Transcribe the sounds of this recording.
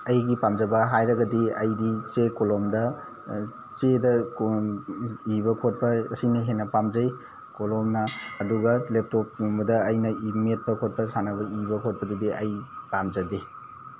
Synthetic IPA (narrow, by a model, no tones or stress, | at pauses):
ɐjɡipamzɐbɐɦajɾɐɡɐdiɐjdit͡ʃekolomdɐ | t͡ʃedɐk | ibɐkʰot̚pɐɐsinɐɦenːɐpamzɐj | kolomnɐːduɡɐlep̚top̚bɐdɐːjnɐimet̚pɐkʰot̚pɐsanɐbɐibɐkʰot̚pɐdidiʔɐjpamzɐdi